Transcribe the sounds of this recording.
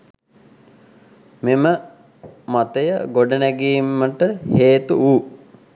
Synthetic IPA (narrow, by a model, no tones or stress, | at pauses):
memə | mat̪əjə̰ɡoɖənæɡiːmːəʈəheːt̪uuː